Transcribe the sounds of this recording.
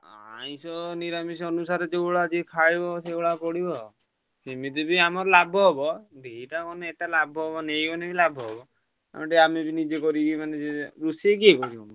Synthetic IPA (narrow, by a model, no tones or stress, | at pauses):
a̰j̃sɔniɾamisɔɔnusaɾɔd͡ʒeuɭad͡ʒekʰaibɔseuɭapɔɽibɔ | semit̪ibiamɔɾlabʱɔɦebɔdʱeiʈakɔnɔeʈalabʱɔɦeβɔnejkɔnebʱilabʱɔebɔ | a̰mɔʈeamebinid͡ʒekɔɾiɡimaned͡ʒeɾusiek̬ikɔisũ